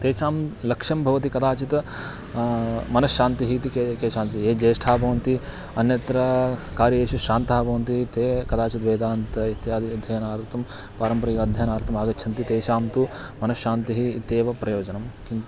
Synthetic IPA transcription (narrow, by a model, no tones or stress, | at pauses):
t̪eːʃaːmlɐkʂɐmbʱɐʋɐt̪ikɐd̪aːt͡ʃit̪ | mɐnɐʃʃaːnt̪iɦit̪ikeːʃaːnt̪ieːd͡ʒeːɐʂʈʰaːbʱɐʋɐnt̪i | ɐnjɐt̪ɾɐkaːɾjɐjeːʃuʃaːnt̪aːbʱɐʋɐnt̪̬it̪ekɐd̪aːt͡ʃit̪ʋeːd̪aːnt̪ɐit̪jaːd̪iɐd̪ʱjɐjɐnaːɾt̪ɐm | paːɾɐmpɐɾiɐd̪ʱjɐjɐnaːɾt̪ɐmaːɡɐt͡ʃːʃʰɐnt̪it̪eːʃaːmt̪u | mɐnɐʃːaːnt̪iɦiːt̪eːʋɐpɾɐjoːd͡ʒɐnɐmkin